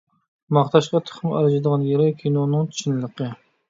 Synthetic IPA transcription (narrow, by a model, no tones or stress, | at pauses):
mɑχt̪ɑʃqɑt̪ʰʊ̥χmæ̰ɾd͡ʒɪd̪əʁɑnjeɾɪkʲʰinonɨŋt͡ʃʰi̥ʃʰinlˠəqə